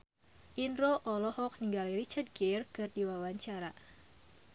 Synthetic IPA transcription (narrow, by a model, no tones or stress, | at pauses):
ʔinɾoʔɔlɔhɔk̚niŋɡalirit͡ʃad̪̚ɡɛrkɨrdiwawaɲt͡ʃaɾa